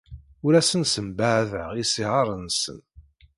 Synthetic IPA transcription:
ʊɾæsənsəmbaʕðəʁisiʕɑɾˤənsə̰n

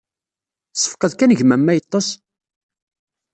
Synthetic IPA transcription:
sˤːə̥fqəðkænəʝmæmːæjət̪ˤːɑs

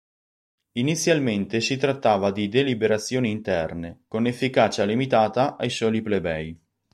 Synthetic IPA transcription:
init̪sːjalment̪esit̪ɾat̪ːaːvad̪id̪elibeɾat̪sːjoːniːnt̪ɛrnekonefːikaːt͡ʃalimit̪aːt̪aʔajsɔːliplebɛj

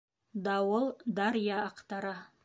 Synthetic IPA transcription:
d̪ɑwəlˠd̪ɑɾjɑɑqt̪ɑɾə

